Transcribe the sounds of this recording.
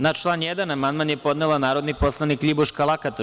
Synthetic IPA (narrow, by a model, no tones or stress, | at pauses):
nat͡ʃlˠaːnjed̪anamand̪̚manjepo̞d̪nelˠanaːɾo̞d̪nipo̞slˠaniklʲibuʃkalˠakat̪o